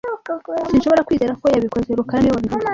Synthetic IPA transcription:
sinʃo̞βo̞ɾakwiːzeːɾako̞jaβiko̞zeɾukaaniwaβihu

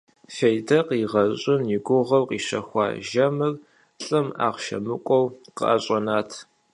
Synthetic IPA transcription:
fejdɐqiːʁɐɕʼɪnjɪɡʷʊʁɐwqʼiːɕɐ̰xʷɑ̰ːʒɐmɨr | ɬʼɨma̰ːʁʃɐ̰mɨkʷʼɔwqə̰ʔɐɕʼɐnaːtʰ

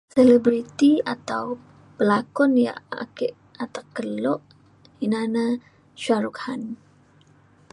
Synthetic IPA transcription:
selɛbɾit̪ia̰t̪aw | bəlakɔnja̰ʔa̰keʔ | at̪akːəlɔʔ | inana | ʃaɾukhan

